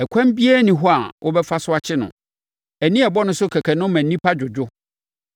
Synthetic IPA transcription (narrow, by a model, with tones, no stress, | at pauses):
ɛ˨kʷʰã˦m˦bi˦ɛ˦nĩ˨ɦɔ˦a˨wʔʊ˦bɛ˦fa˦sʊ˦a˦t͡ɕʰɪ˦nʊ̰̃˨ | æ˨nĩ˦ɛ˨bɔ˦nʊ̃˦sʊ˦kʰɛ˨kʰɛ˨nʊ̃˦mæ̃˨nĩ˦pʰa˦d͡ʑᶣʊ˨d͡ʑᶣʊ˦